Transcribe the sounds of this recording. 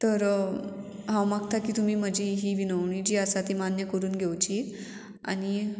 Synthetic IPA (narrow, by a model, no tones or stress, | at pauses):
t̪əɾ | ɦãwmak̚t̪ʰakiːt̪um̤iːm̤əd͡ʑʱiːɦiːʋinəʋɳiːd͡ʑiːasat̪imanjəkəɾuːnɡʱewt͡ɕiː | a̰ñi